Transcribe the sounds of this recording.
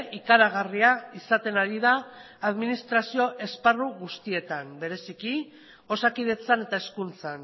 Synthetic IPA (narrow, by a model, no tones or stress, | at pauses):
ʔikaɾaɣariaisat̪e̞naɾið̞aː | ðminist̪ɾasio̞ʔe̞sparuɣust̪ie̞t̪ambe̞ɾe̞siki | o̞sakið̞e̞t͡sane̞t̪aeskunt͡san